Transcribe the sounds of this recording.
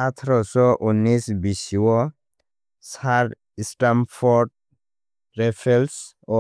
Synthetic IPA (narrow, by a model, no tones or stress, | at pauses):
at̪ʰɾɔsɔʔunisbisiwɔ | saɾ | isʈamfʰɔɾɖ̚ | ɾɛpʰɛls | ɔ